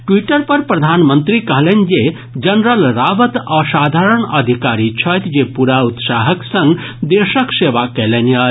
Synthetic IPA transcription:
ʈʋiʈəɾpəɾpɾɐd̪ʱaːnmənt̪ɾikəɦlenʲd͡ʒe | d͡ʒɐnɾəlɾaːʋət̪əsaːd̪ʱaːɾəɳɐd̪ʱikaːɾit͡ʃʰəjt̪d͡ʒepuɾaut̪saːɦəksɐ̃ŋɡd̪eʃəkseːʋakelena

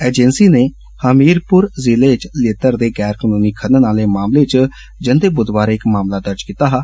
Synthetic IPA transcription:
eːd͡ʒɛnsiːneː | həmiːɾpʊɾzɪleːt͡ʃleːt̪əɾd̪eːɡɛːɾkənoːniːkʰəɾnnaːleːmaːmleːt͡ʃ | d͡ʒənd̪eːbʊd̪ʋaːɾɪkmaːmlaːd̪əɾd͡ʒkiːt̪aːɦ

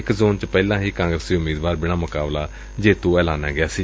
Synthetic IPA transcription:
ɪkzoːnt͡ʃpɛːlãːɦiːkãːŋɡɾəsiːʊmiːd̪ʋaːɾbɪɽ̃aːmʊkaːblaː | d͡ʒeːt̪õːɛːlaːna̰ːɡɪjaːsiː

